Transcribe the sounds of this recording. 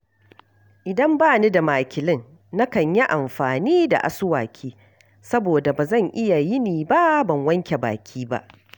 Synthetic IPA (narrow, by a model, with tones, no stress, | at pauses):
ʔɪ˨dɐ˦mbaː˦ni˦da˨maː˨kʲɪ˨lɪ˦n | na˦kɐ˨ɲji˦ʔa˨mɸaː˨niː˦da̰˨ʔa̰˨sʊ˦wa̰ː˨kʲʰiː˦ | sɐ˦boː˨da˨baː˨zɐ˦˨ŋʔɪ˦ja˨jɪ˦niː˨ba˦ʔbɐ˨ŋwɐ˦ŋkʲe˨ba̰ː˨kʲʰiː˦ba̰˦ʔ